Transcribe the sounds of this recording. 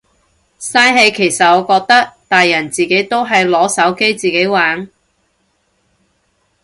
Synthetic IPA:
saː˧˥jɦe˨˧jkʰe˨˩jsɐ˨t̚ɔː˨˧kɔː˧k̚t̪ɐ˥k̚t̪aː˨jːɐ˨˩nt͡siː˨ke˨˥jt̪o˥wɦɐ˨jlɔː˨˥sɐ˨˥wke˥jt͡siː˨ke˨˥jwaː˨˥ŋ

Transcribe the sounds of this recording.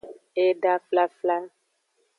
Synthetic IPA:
e˦ɖa˦fla˦fla˦

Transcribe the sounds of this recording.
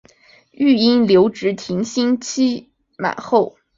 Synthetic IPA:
y˥˩i˥nljo˧˥ʊʈ͡ʂɻ̩˧˥t̪ʰi˧˥ŋɕi˥nt͡ɕʰi˥ | ma̰˨˩˦ɪxo˥˩ʊ

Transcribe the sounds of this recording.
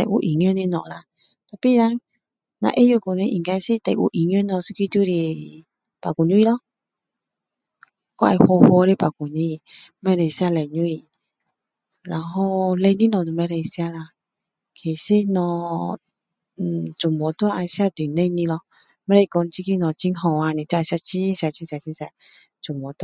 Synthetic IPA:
tɛ̰˨o̰˨ʔi˨ŋ˦o˦ne˦nɔ̰̃˨la˨˧ | t̪a˨pi˦ɾa˦ŋ | nã̰˨ʔe˦jo˧˨ɡo˨ne˧˦ʔḭ˨ɡa˧i˧˦se˦tɛ˨ʔo̰˨ʔi˨ɲ˦o˦nɔ̃˧su˦ki˦tu˦ɾe˧ | pa˨ɡu˨nu˦i˦lɔ˦ | kɔ˦a̰˨˧i˧ho˧ho˧˦ɾe˦pa˨ɡu˨ne˦˨˦ | mɛ˧ɾɛ˨i˨si˦a˧lɛ˨ɲũ˦i˨ | la˨ɦɔ˦lɛ˧˦nĩ˦nɔ̃˨du˨mɛ˧ɾɛ˨i˨si˦a˧la˧ | kʰe˨se˦nɔ̃˧˨ | d͡ʒo˨m˨ɔ˨˦t̪o˦a˦ʔa˧˨˧si˦a˦d̪u˨nẽ˦i˦nĩ˦lɔ˧˦ | mɛ˦ɾɛ˦i˨ɡɔ˨˧˨n˦t͡ʃi˦ki˦nɔ̃˨t͡ʃi˦n˦ɦɔ̃˨wa˨˧˨nĩ˨t̪o˦a˧˨si˦a˧t͡ʃi˦si˧a˨t͡ʃi˦sa˨t͡ʃi˦nsa˨ | d͡ʒo˨m˨ɔ˨˦t

